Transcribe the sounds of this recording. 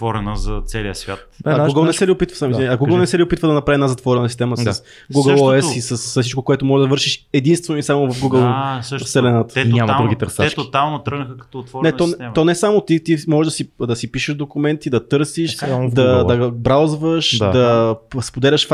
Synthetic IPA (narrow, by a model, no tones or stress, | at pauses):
t̪vɔɾɛnəzɐt̪sɛlijəsvʲja̰t̪aɡuɡəlˠnɛsɛliopit̪və̥samizɐɡuɡəlˠnɛsɛlʲiʊpit̪vəd̪ɐnɐpɾaviɛnazɐt̪vɔɾɛnəsist̪ɛməss | ɡuɡəlˠoɛssisəssit͡ʃkokoɛt̪ʊmɔʒɛd̪ɐvɤɾʃiʃɛd̪inst̪vɛnoʊisamovɐfɡuɡəlˠsfsɛlɛnat̪ə̥ɛɲamd̪ɾuɡit̪əɾsat͡ʃkt̪ot̪alˠnot̪ɾəɡnəxəkɐ̥t̪ɔt̪vɔɾnɛt̪ɔɛɛt̪ɔnɛsamot̪it̪imɔʒɛʒd̪ɐsid̪ɐsipiʃəʒd̪okʊmɛnt̪id̪ɐt̪ɤɾsiʃd̪ɐd̪ɐbɾawzvəʃd̪aɐspod̪ɛlʲɐʃ